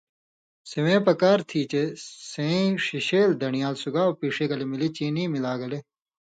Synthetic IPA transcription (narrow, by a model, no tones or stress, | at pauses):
siwẽːpɐkaːɾt̪ʰiːt͡ɕesẽʂiɕeːld̪ɐnijaːlsuɡaːopiːʂeɡɐlemilit͡ɕiːniːmilaːɡɐle